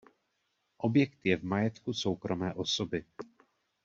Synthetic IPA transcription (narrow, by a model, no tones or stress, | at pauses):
ʔo̞bjɛkt̪jɛvmajɛt̪kuso̞wkɾomɛːʔosobɪ